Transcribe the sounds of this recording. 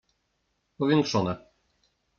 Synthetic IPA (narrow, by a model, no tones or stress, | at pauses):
pɔvʲjɛŋkʂɔnɛ